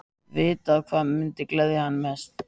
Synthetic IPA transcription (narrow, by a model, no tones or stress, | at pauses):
vɪːt̪aðkʰvaːðmʏnt̪ɪklɛðɪhanːmɛst̪